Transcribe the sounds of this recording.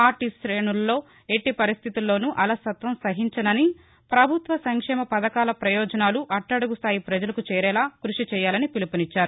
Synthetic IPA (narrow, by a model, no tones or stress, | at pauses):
aːɾʈisɾeːnulːo̞ː | e̞ʈːipɐɾist̪ʰit̪ulːo̞ːnuʔɐlasɐt̪ʋɐmsɐɦiɲt͡ʃɐnɐni | pɾɐbʱut̪ʋɐsɐŋkʂɛːmɐpɐd̪ɐkaːlɐpɾɐjɔːd͡ʒɐnaːluʔɐʈːɐɽɐɡust̪ʰaːjipɾɐd͡ʒɐlɐkut͡ʃɛːɾɛːlaːkɾuʂit͡ʃɛːjaːlɐnipilipɐnit͡ʃːaːɾu